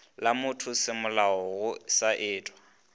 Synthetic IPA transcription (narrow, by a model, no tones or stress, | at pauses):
lamʊtʰʊsɪmʊlaɔɣʊsaʔɪːtʼwa